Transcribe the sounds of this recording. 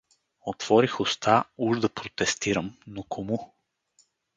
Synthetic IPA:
ot̪v̥ɔɾixʊst̪auʒd̪ɐpɾot̪ɛst̪iɾəmnokʰomu

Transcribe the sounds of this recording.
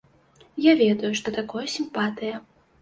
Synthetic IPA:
javʲɛd̪ɐjuʂt̪ɔt̪akɔjɐsʲimpat̪ɨjɐ

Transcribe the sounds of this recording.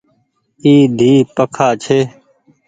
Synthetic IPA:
iːd̪ʱiːpəkʰaːt͡ʃʰeː

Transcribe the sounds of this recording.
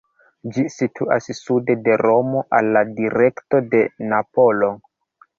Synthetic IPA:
d͡ʒisitʰua̰ssude̞de̞ɾo̞mo̞ʔalːadiɾe̞kto̞de̞napo̞lo̞

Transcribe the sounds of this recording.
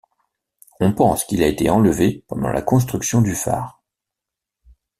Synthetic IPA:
ɔ̃pɑ̃skʲilaet̪eɑ̃ləvepɑ̰̃d̪ɑ̰̃lʔa̰kɔ̃s̬t̪χyksjɔ̃d̪yfa̰ːʁ

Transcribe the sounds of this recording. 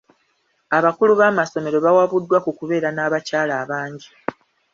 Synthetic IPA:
aβakuluβaːmaso̞me̞ɾo̞βawaβudːwakukuβe̞ːɾanaːβacaːlaːβaːɲɟi

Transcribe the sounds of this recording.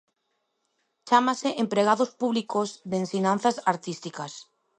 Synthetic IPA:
t͡ʃamaseʔempɾeɣ̞aðospuβlikozðensiɲãn̟θasaɾt̪ist̪ikas

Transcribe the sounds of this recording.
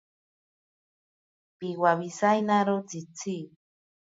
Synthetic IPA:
piwaβisajnaɾot͡sit͡si

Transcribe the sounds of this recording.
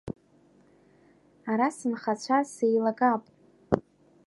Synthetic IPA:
aɾasɨmχat͡ɕʷʰasejlaɡapʼ

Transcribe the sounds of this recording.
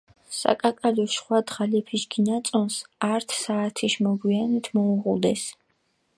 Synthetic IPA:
sa̰kʼakʼalɔʃχwad̪ʁalɛpʰiʃɡinat̪sʼɔnsaɾt̪ʰsaːt̪ʰiʃmɔɡwianit̪ʰmɔuʁud̪ɛs

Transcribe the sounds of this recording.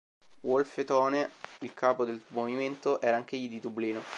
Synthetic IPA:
wolfet̪ɔːneilkʰaːpod̪elmoviment̪oʔɛːɾaaŋk̟eʎːid̪id̪ubliːno

